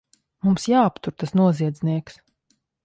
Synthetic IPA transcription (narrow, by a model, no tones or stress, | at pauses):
mumsjaːapt̪uɾt̪asnuɔziɛd̪zʲniɛks